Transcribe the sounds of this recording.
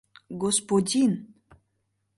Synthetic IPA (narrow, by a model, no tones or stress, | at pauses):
ɡospodʲin